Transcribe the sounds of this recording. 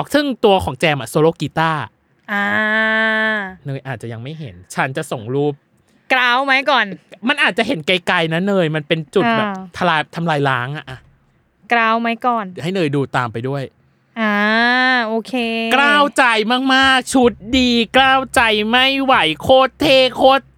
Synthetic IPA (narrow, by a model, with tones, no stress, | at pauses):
ɔ˨˩k̚sɯ˥˩ŋt̪u˧ɐkʰɔː˩˦ŋt͡ɕɛː˧mʔa˨˩soː˧loː˧˥˩ki˧˥t̪aː˥˩ | ʔaː˧ | nɤː˧jʔaː˨˩t̪̚t͡ɕa˨˩ja˧ŋma˥˩jɦḛ˩˦nt͡ɕʰa˦˥nt͡ɕa˨˩ʔso˨˩ŋɾuː˥˩p̚ | kɾaː˥˩wma˦˥jkɔː˨˩nma˧nʔaː˨˩t̪̚t͡ɕa˨˩hɦe˨˩˦nka˧jka˧jna˦˥nɤː˧jma˧npe˧nt͡ɕu˨˩t̪̚bɛː˨˩p̚t̪ʰa˧laː˧jt̪ʰa˧mlaː˧jlaː˦˥ŋʔa˨˩ʔa˧ | kɾaː˥˩wma˦˥jkɔː˨˩nha˥˩jnɤː˧jduː˧t̪aː˧mpa˧jdu˥˩əj | ʔaː˧ʔoː˧˩kʰeː˧klaː˥˩wt͡ɕa˧jmaː˥˩k̚maː˥˩k̚t͡ɕʰu˦˥t̪̚diː˧klaː˥˩wt͡ɕa˧jma˥˩jwa˨˩˦jkʰoː˥˩t̪ʰːeː˥˩kʰoː˦˥˩t̪̚